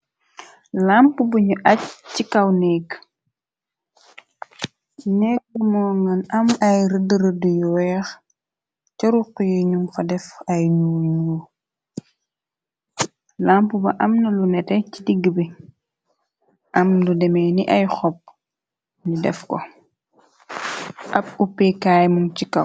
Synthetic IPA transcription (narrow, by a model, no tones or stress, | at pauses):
lampubəɲuʔɐcːikɐwnɛk | nɛk̚ːəmɔːŋɐnɐmɐjɾədəɾədujɔwɛːx | cɐɾuqːujɛɲumfɐdɛfɐjnuuwu | lampubɐ̰ʔɐmnɐlunɛtɛcidiɡːəbɛ | ʔɐmludɛmɛniʔɐjxɔp̚ː | ɲudɛfkɔ̰ | ʔɐp̚upɛkaːjmuŋt͡ʃikɐ